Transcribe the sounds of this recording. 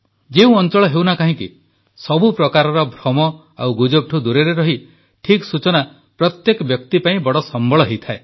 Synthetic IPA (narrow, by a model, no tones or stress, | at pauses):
d͡ʒeũɔnt͡ʃɔɭɔɦewnakaɦĩkḭ | sɔbupɾɔkaɾɔɾɔbʱɾɔmɔ | a̰wɡud͡ʒɔb̚ʈʰud̪uɾeɾeɾɔɦi | ʈʰiksut͡ʃɔna | pɾɔt̪jekɔbjɔk̚t̪ipaĩbɔɽɔsɔmbʱɔɭɔɦejt̪ʰae